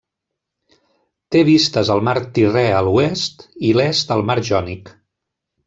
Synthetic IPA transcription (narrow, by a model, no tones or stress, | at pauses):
t̪eβist̪əzəlˠmaɾt̪irɛəluɛst̪ilɛst̪əlˠmaɾʒɔnik